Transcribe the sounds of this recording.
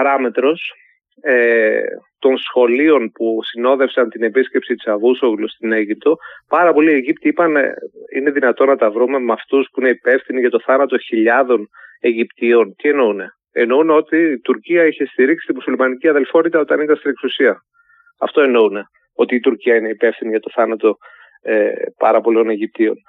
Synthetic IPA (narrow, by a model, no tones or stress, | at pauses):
ɐɾɐme̞t̪ɾo̞s | e | t̪o̞nsxo̞lio̞npusino̞ðe̞fsɐnt̪ine̞pisce̞psit̪i̥sɐvusoɣlust̪ine̞ʝip̚t̪o̞pɐɾɐpo̞lie̞ʝipt̪iipɐnḛine̞ðinɐt̪o̞nɐt̪ɐvɾume̞mɐft̪uspuine̞ipe̞fθiniʝɐt̪o̞θɐnɐt̪o̞çiʎɐðo̞ne̞ʝipt̪io̞nt̪ie̞no̞une̞ | eno̞uneo̞t̪iːt̪uɾciɐiçest̪iɾiksi̥st̪imusulmɐniciɐðe̞lfo̞t̪it̪ɐo̞t̪ɐnit̪ɐnst̪ine̞ksusiɐ | ɐft̪o̞e̞no̞une̞ | o̞t̪iːt̪uɾciɐine̞ipe̞fθiniʝɐt̪o̞θɐnɐt̪o̞ | epɐ̰ɾɐpo̞lo̞ne̞ʝip̚t̪io̞̰n